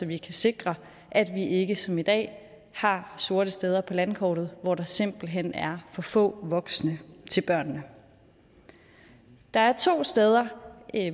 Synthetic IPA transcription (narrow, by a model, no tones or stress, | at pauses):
sɒ̽ʋikʰæse̝ɡ̥ʁɐ | ʔæd̥ʋiʔe̝ɡ̥əsɒ̽mid̥ɛ̰ː | hɑ̈so̝ːɐɾ̥əsd̥eːð̞ˠɐpʰɒ̽lænkʰɒ̰ːɾ̥ð̞̩ˠʋɒd̥ɑ̈se̝m̰b̥l̩ɦen̰æɐfɒ̽fɔ̰̽ːʋɒ̽ɡ̥snət͡sʰe̝lb̥ɶɐ̰nːə | d̥ɑ̈æɐt͡sʰo̝̰ːsd̥eːð̞ˠɐ